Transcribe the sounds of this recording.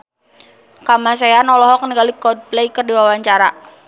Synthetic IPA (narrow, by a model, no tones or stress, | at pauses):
kamasajanɔlɔɦɔknəɡalikɔd̚plejkərdiwawaɲt͡ʃaɾa